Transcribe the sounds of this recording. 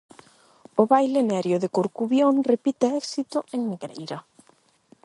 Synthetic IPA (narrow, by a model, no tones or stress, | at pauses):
ʊβajlenɛɾjʊðekoɾkuβjoŋrepit̪eɛksit̪ʊeŋneɣɾejɾɐ